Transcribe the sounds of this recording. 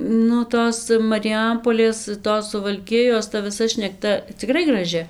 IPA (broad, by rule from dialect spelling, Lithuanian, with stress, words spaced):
nʊ ˈtoːs mɐrʲɪˈjɛmpoːlʲeːs ˈtoːs sʊʋɐlʲˈkʲɪjoːs tɐ ʋʲɪˈsɐ ʃʲnʲɛkˈtɐ t͡sʲɪˈkrɐɪ ɡrɐˈʒʲɪ